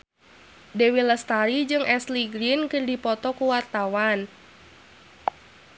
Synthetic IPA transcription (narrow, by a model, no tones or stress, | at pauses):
dewiləst̪aɾid͡ʒɨŋɛsliɡɾinkɨrdipɔt̪ɔkuwart̪awan